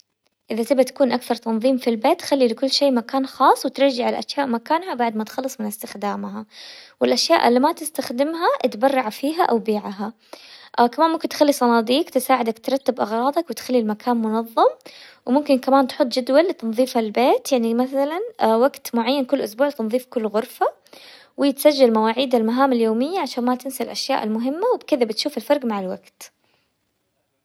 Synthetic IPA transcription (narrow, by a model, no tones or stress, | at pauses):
ʔɪðat̪ɪbat̪ḁkuːnʔakθɑɾˤt̪ɑnðˤiːmfilbeːt̪ːxalːilɪkʊlːʃeːmakaːnxɑːsˤːwɪt̪ɪɾˤd͡ʒaʕalaʔaʃjaːʔmakaːnhabaʕd̪mat̪xɑlːɨsˤmɪnɪst̪ɪxd̪aːmɦawɪlʔaʃjaːʔɪ̰lːimat̪ɪst̪axd̪ɪmɦaʔt̪bɑrˤːɑʕfiːɦaʔawbiːʕaɦa | ʔkamaːnmʊmkɪnt̪xalːisˤɑnɑːd̪iːqt̪ɪsaːʕɪd̪akt̪ɾˤɑt̪ːabʔɑɣɾˤɑːd̪ˤɑkwɪt̪xalːilmakʰaːnmʊnɑðˤːɑmwmʊmkɪnkamaːnt̪ħʊt̪ˤːd͡ʒɪd̪walːɪt̪ɑnðˤiːfhalbeːt̪jaʕnimaθalanwaɡt̪mʊʕajːankʊlːʔʊsbuːʕt̪ɪnðˤiːfkʊlːɣʊɾfa | wɪɪt̪sad͡ʒːalmawaːʕiːd̪almaɦaːmaljoːmɪjːaʕaʃaːnmat̪ɪnsalʔaʃja̰ːʔɪ̰lmʊɦɪmːawɪbkɪðabɪt̪ʃuːfɪlfɑɾˤɡmaʕaɪlwa̰ɡt̪